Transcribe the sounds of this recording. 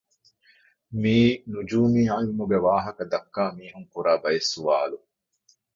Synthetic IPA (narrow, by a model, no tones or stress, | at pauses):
miːnud͡ʒuːmiːajumuɡeʋaːɦɐkɐd̪ɐkːaːmiːɦuŋkuɾaːbɐjesːuʋaːlu